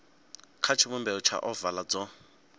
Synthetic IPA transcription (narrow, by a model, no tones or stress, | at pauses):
kʰat͡ʃʰimʊmbɛɔt͡ʃʰa̰ʔɔvalad͡zɔ